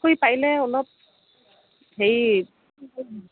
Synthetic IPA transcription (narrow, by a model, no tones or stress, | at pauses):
kojpajlɛɔlɔp̚ | ɦej